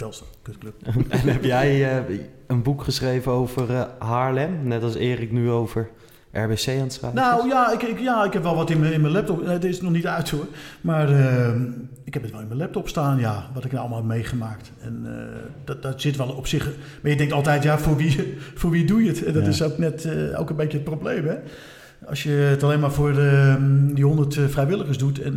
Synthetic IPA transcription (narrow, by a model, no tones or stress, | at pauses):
tɛlˠskøtkløp̚ɛnɛpjɛj | ənbukχəsχrejvənowvərɦaːɹlɛmnɛtɑlˠsɪːrɪknyowvəɹ | ʔɛ̰ɹbesejantsrɛjnawjaɪkɪkjaɪkhɛpʋɛlˠʋɔtɪnməɪnmənlɛp̚tɔpdɪsnɔχnitœɥtʰomaːrə | ɪkhɛpətʋɛlˠɪnmənlɛp̚tɔpstaːnjaʋɔtɪknaɑlˠmalˠpmejχəmaːk̚t | ɛ̰n̰dd̥ɔtsɪtʋɛlˠɔpsɪχ | majədɛ̃ŋktɑlˠtɛjtjafʊːɹʋifoːɹʋidujətɛdɔtɪsowknɛto̰kənbejkjəət̚prowblejmɦɛ | ɑ̰sjəətalejnmaːfʊːrədihondərtfrɛjʋɪlˠəxəsdutɛ̰n